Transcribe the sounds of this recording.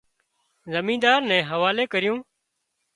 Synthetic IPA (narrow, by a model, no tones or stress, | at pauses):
zəmĩːd̪aːɾnɛ̃ːɦəʋaːleːkəɾɪjũː